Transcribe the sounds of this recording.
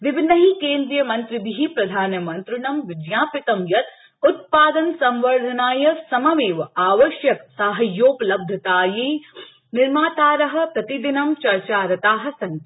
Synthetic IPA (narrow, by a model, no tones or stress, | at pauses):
ʋɪbʱinːɐɦikeːnd̪ɾijɐmɐnt̪ɾibiɦipɾɐd̪ʱaːnɐmɐnt̪ɾɪnɐmʋɪd͡ʒjaːpɪt̪ɐmjɐt̪ | ut̪̚paːd̪ɐnsɐ̃mʋɐɾd̪ʱɐnaːjɐsɐmɐʋeːʋaːʋɐʃjɐksaːɦɐjoːpɐlɐb̚d̪ʱɐt̪aːjeː | nɪɾmaːt̪aːɾɐɦɐ̆pɾɐt̪id̪inɐmt͡ʃɐɾt͡ʃaːɾɐt̪aːɦɐ̆sɐn